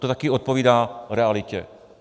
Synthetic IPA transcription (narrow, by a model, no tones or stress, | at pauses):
t̪ot̪akɪʔo̞t̪̚poviːdaːɾɛalɪcɛ̰